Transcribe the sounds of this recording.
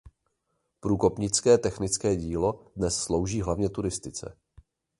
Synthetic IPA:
pɾuːko̞pɲɪt͡skɛːt̪ɛxnɪt͡skɛːɟiːlo̞dnɛsslo̞wʒiːɦlavɲɛt̪uɾɪst̪ɪt͡sɛ̰

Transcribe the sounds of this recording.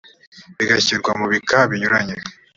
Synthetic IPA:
βiɡaciːɾɡwamuβikaβiɲuɾaɲe

